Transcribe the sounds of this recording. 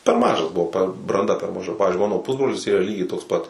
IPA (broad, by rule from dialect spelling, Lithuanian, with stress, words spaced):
pʲɛr ˈmɑːʒɐs bʊˈʋɐʊ pʲɛr brɐnˈdɐ pʲɛr mɐˈʒɐ ˈpɑːʋʲɪzʲd͡ʒʲʊɪ ˈmɑːnoː ˈpʊzbroːlʲɪs ˈiːrɐ ˈlʲiːɡʲɛɪ toːks ˈpɐt